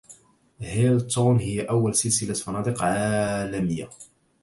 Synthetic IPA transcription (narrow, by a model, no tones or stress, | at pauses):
hɪlt̪onhɪjːaʔawːalsɪlsɪlat̪fɑnɑːd̪ɪqʕalamɪjːa